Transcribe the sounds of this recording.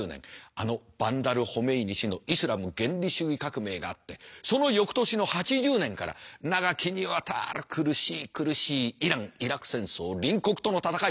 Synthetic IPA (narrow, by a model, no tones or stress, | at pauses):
nḛ̃ŋa̰no̞b̥ãnd̪aɾɯ̟ho̞me̞iɲiɕino̞isɨɾamɯ̟ɡẽ̞nɾʲiɕɨːikakɯ̟me̞ːɡa̰ːt̪ːe̞so̞no̞jo̞kɯ̥t̪o̞ɕino̞hat͡ɕiʑɨːnẽ̞ŋkaɾa̰naɡakʲiɲ̟iβat̪ʰa̰ɾɯkʰɯ̟ɾɯ̟ɕiːkɯ̟ɾɯ̟ɕiːiɾãŋiɾakɯ̟̥sẽ̞ɰ̃so̞ːɾʲĩŋko̞kɯ̟̥t̪o̞no̞t̪at̪aka